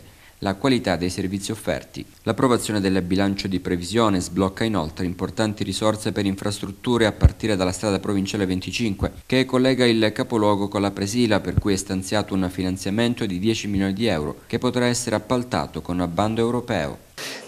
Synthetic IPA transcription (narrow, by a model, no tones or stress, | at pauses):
lakwalit̪ad̪ːejservit̪siofːɛ̰rt̪ḭ | lapːɾovat̪sjoːned̪elːbilant͡ʃod̪ipɾevizjoːnezblɔkːainolt̪ɾeimport̪ant̪iɾisɔrt̪sepeɾiɱfɾast̪ɾut̪ːuːɾeapːart̪iːɾed̪alːast̪ɾaːd̪apɾovint͡ʃaːlevent̪it͡ʃiŋkwekekːolːɛːɡailkapolwɔːɡokonlapɾesiːlaperkujɛst̪ant̪sjaːt̪ounfinant̪sjament̪od̪id̪jɛːt͡ʃimiljoːnid̪iɛwɾo̰kepːot̪ɾaɛsːeɾeapːalt̪a̰ːt̪okonnabːand̪oewɾopɛ̰ːo̰